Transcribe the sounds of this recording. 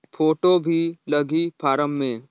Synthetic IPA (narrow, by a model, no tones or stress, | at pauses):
pʰoːʈobʱilɐɡipʰaːɾəmːẽː